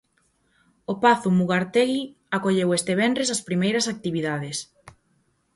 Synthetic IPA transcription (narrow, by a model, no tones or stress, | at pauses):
opaθʊmuɣaɾt̪eɣi | akoʎewest̪eβɛnd̪ɾesɐspɾimejɾɐsak̚t̪iβiðað̞es